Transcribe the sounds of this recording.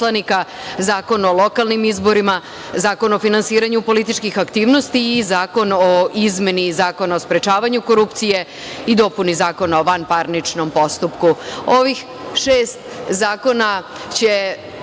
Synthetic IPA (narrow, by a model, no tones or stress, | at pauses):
lanikazaːko̞no̞lˠo̞kalˠnimizbo̞ɾima | zaːko̞no̞finansiːɾaɲupo̞lit̪it͡ʃkixakt̪iːʋno̞st̪iːzaːko̞noizme̞nizaːko̞naospɾe̞t͡ʃaːʋaɲuko̞ɾupt̪sije̞ | id̪o̞punizaːko̞naoʋanpaɾnit͡ʃnompo̞st̪upkuo̞ʋix | ʃeːst̪zaːko̞na | t͡ɕe̞